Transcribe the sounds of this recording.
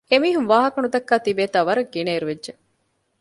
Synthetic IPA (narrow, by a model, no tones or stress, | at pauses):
emiːɦumʋaːɦɐkɐnut̪ɐkːaːt̪ibeːt̪aːʋɐɾɐɡːineːɾuʋedʒe